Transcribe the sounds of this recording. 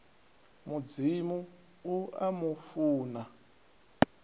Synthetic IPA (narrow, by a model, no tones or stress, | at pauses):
mud͡zimu | ua̰mufuːna